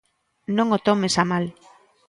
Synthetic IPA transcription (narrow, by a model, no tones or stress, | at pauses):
nõŋot̪omesamal